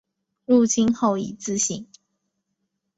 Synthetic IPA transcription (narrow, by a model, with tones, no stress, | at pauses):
lu˥˨t͡ɕʰi˥nxo˥˨ʊḭ˨˩t͡sɹ̩˥˧ɕi˨˩˦ŋ